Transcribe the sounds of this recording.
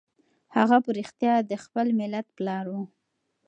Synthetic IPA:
haɣapəɾixt̪jɑd̪əxpəlmɪlat̪̚plɑɾwu

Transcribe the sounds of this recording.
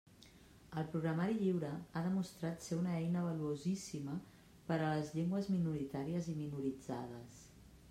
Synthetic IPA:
əlˠpɾuɣɾəmaɾiʎiwɾəaðəmust̪ɾat̪seunəɛjnəβəluozisimə | pəɾələzʎeŋɡwəzminuɾit̪aɾiəziminuɾid͡za̰ðəs

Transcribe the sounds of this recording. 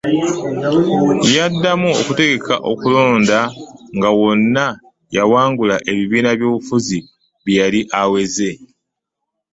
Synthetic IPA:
jadːamuokute̞ɡe̞kʰa̰ʔo̞̰kulo̞ːndaŋɡawo̞nːa | jawaːŋɡulaʔe̞βiβiːnaβjo̞ːβufuzi | βjjaliʔawe̞ze̞

